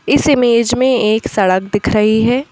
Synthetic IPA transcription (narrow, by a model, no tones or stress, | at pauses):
ɪsɪmeːd͡ʒmẽeːksɐɽək̚d̪ɪkʰɾɐɦiɦɛː